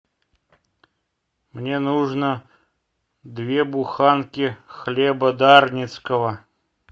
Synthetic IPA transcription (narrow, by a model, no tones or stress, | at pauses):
mnʲenuʐnə | d̪vʲebʊxankʲɪxlʲɛbəd̪arnʲɪt̪skəvə